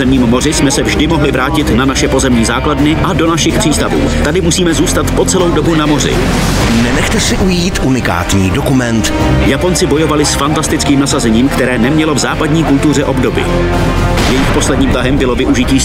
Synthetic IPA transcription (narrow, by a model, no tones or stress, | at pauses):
ɛmɲiːmːo̞rɪsmɛsɛvʒdɪmo̞ɦlɪvɾaːcɪt̪nanaʃɛpo̞zɛmɲiːzaːkladnɪʔado̞naʃɪxpr̝̥iːst̪avṵːt̪adɪmusiːmɛzuːst̪at̪po̞t͡sɛlo̞wdo̞bunamo̞r̝ɪ̰ | nɛnɛxt̪ɛsɪʔujiːt̪ʔunɪka̰ːt̪ɲiːdokumɛnt̪ | japo̞nt͡sɪbo̞jo̞valɪsfant̪ast̪ɪt͡skiːmnasazɛɲiːmkt̪ɛɾɛːnɛmɲɛlo̞vzaːpadɲiːkult̪ur̝ɛʔo̞bdo̞bɪ̰ | jɛjixpo̞slɛdɲiːmt̪aɦɛmbɪlo̞vɪʔuʒɪciː